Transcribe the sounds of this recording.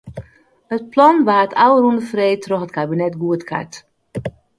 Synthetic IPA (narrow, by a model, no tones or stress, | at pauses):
hət̚plɔnʋaːtʰawərundəfreːtrɔxətkabinɛtɡuətkʰa̰t